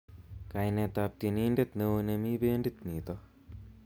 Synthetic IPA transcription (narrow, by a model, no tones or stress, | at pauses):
kajnet̪ap̚t̪iniːndet̪newunemiːbeːndit̪niːt̪o